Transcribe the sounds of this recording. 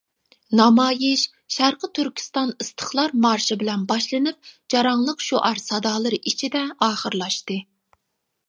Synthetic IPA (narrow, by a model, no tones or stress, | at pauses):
nɑmɑːjiʃ | ʃæɾqət̪ʰyɾkʲʰi̥st̪ɑnɨst̪ʰə̥χlˠɑɾmɑɾʃɨbɪlɛnbɑʃlˠɨnɨp̚d͡ʒɑɾɑŋlˠəqʃuʔɑɾsɑd̪ɑːlˠɨɾʔit͡ʃʰid̪ɛɑːχəɾlˠɑʃt̪ɨ